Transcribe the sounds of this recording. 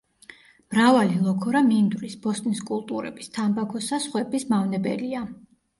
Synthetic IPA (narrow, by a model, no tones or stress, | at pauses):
mɾavalilˠɔkʰɔɾamind̪ɾisbɔst̪ʼniskʼulˠt̪ʼuɾɛ̰bist̪ʰambakʰɔsasχwɛbismavnɛbɛ̰lia